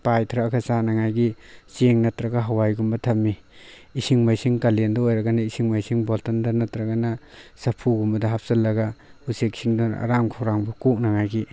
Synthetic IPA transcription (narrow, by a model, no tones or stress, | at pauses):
pajtʰɾaːkʰɐsanɐŋajɡiseŋnɐtɾɐɡaɦawajɡumbɐtʰɐmːiː | siŋmajsiŋkalendɐojɾɐɡɐnɐisiŋmajsiŋbɔltɐndɐnɐtɾɐɡanɐsɐpʰuɡumbɐdɐɦap̚sɐlːɐɡahusek̚sʰiŋdɔna̰ɾamkʰɔɾaŋbɐkuk̚nɐŋajɡi